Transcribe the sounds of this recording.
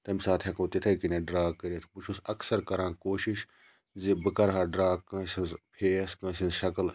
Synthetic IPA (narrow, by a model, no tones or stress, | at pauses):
t̪ɐmisaːt̪ʰɦʲɐkõːt̪it̪ʰɐjkineːɖɾaːkːɐɾet̪ʰput͡ʃʰusɐksɐɾkɐɾãːkoːʃiʃ | zibɨkɐɾɦaːɖɾaːkɐ̃ːsinzpʰeːskɐ̃ːʃĩnzʃɐkl